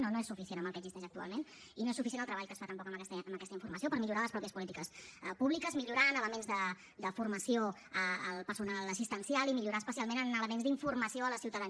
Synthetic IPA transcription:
nonoesufisienəmbəlˠkɛəɡzist̪ɛʃək̚t̪ua̰lˠmen | inoesufis̬enəlˠt̪ɾəβaʎkəsfat̪əmpɔkəmkɛst̪əəməkɛst̪əiɱfurməs̬iopəɾmiʎuɾaləspɾɔpiəspulit̪ikəsəpuβlikəzmiʎuɾanələmenzðə | d̪əfurməsio | əəlˠpəɾsunaləs̬ist̪ənsialimiʎuɾaspəsialˠmenənələmenzd̪iɱfurməsioələsiwt̪əðən

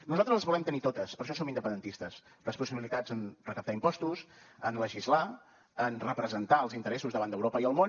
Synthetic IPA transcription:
nuzalˠt̪ɾəzˠəzβulɛmt̪ənit̪ot̪əspəɾʃ̬ɔsomind̪əpənd̪ənt̪ist̪əs | ləspusiβilit̪ad͡zənrəkəp̚t̪aimpɔst̪usənləʒizla | ənrəpɾəzənt̪aəlˠzint̪əɾɛsuzðəβand̪əwɾopəiəlˠmon

